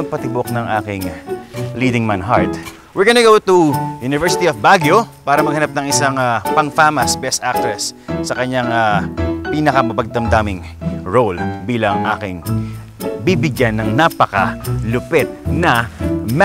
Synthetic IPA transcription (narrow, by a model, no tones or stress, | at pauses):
ɐɡ̚pɐt̪ɪboknɐŋʔaːkɪŋliːd̪ɪŋmanɦa̰ɹt̪ | wɪɹɡonɐɡowt̪ujunɪvɛɹsɪt̪iɐfbaɡjopaːɾɐmɐɡ̚hɐnap̚nɐŋɪsaŋapɐŋfaːmɐsbɛst̪ʔak̚t̪ɹɛsːɐkɐɲːaŋapiːnɐkɐmɐbɐɡ̚t̪ɐmd̪aːmɪŋ | ɹolbiːlɐŋʔa̰ːkɪŋ | bibɪɡjanːɐŋnaːpɐkɐlʊpɛt̪̚nɐm